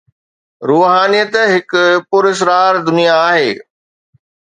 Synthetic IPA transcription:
ɾuːɦaːnijət̪ɦɪkpʊɾɪs̬ɾaːɾd̪ʊnijaːɦeː

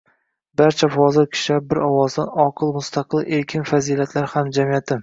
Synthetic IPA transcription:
baɾt͡ʃʰafɒzɪɾkʲʰɪ̥ʃabɪɾɒwɒzd̪anɒqʰɨlˠmʊst̪ʰɑqʰɨlˠe̞ɾkʲʰɪnfaziːlat̪ʰlaɾhamd͡ʒamijat̪ʰɪ

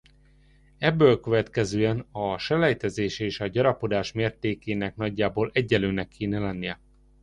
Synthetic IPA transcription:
ɛbːøːlkø̞vɛt̪kɛzøːɛnɒʃɛlɛjt̪ɛzeːʃeːʃɒɟɒɾɒpo̞d̪aːʃmeːrt̪eːkeːnɛknɒɟːaːboːlɛɟːɛløːnɛkːeːnɛlɛnːijɛ

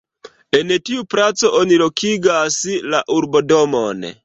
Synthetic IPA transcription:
enetiupɾat͡soʔonilokiɡaslaʔurbodɔmɔn

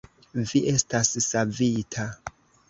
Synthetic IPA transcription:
viʔe̞stassavitʰa

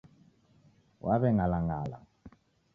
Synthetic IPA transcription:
wʔaβɛŋalaŋala̰

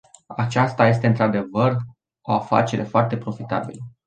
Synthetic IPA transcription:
at͡ʃast̪aje̞s̬t̪e̞ɨnt̪ɾad̪e̞vər | o̞afa̰t͡ʃe̞ɾe̞foart̪e̞pɾo̞fit̪a̰bilə

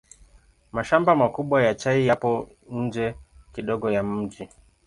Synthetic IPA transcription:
maʃambamakuɓwajat͡ʃaijapɔ | n̩d͡ʒɛkiɗɔɡɔjam̩d͡ʒi

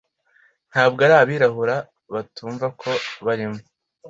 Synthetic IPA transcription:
n̥haːbɡaɾaːβiːɾaɦuɾa | βatuːɱvakʰo̞βaɾimo

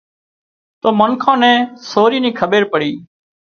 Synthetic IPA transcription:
t̪oːməŋkʰãːnɛ̃ːsoːɾiːnĩːkʰəɓeːɾpəɽiː

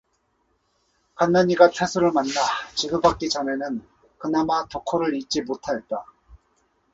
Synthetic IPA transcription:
kanːaɲiɡatʰwesʰuɾɯɭmanːat͡ɕiɡɯbak͈it͡ɕʌne̞nɯn | kɯnamatokʰoɾɯɾit͡ɕ͈imotʰaet̚t͈a

